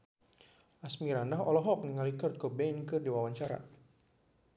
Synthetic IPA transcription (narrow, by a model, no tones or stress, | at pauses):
ʔasmiɾandaɦɔlɔɦɔk̚nəŋalikɔrt̪̚kobɛnkɨrdiwawaɲt͡ʃaɾa̰